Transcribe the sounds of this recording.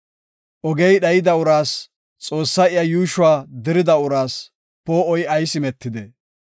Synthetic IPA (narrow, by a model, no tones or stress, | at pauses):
ʔɔɡɛjɗɐjɪd̪ɐʊɾaːs | t͡sʼo̞ːsːɐɪjɐjuːʃʊwaːd̪ɪɾɪd̪ɐʊɾaːs | poːɔjɐjsɪmɛt̪ːɪd̪ɛ